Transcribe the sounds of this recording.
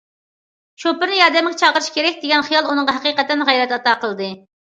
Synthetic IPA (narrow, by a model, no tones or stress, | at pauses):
ʃopɨɾnɨjɑɾd̪ɛmɪɡʲɛt͡ʃʰɑʁəɾɨʃkʲʰeɾɛkʲd̪eɡʲɛnχijɑlˠunɨŋʁɑɦɛqiqɛt̪ːɛnʁɛjɾɛt̪ɑt̪ɑːqʰəlˠɨd̪ɨ